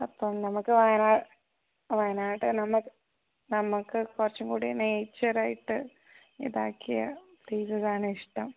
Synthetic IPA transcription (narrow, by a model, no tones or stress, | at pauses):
ɐpːɐmnɐmukːɨʋɐjɐnaː | ʋɐjɐnaːjiʈːɨnɐmukːɨ | nɐmukːɨkurɐt͡ɕːumkuːɽineːt͡ɕːɐraːjiʈːɨ | ḭðaːkʰːijɐpijsɐðaːɳɨiʂʈɐm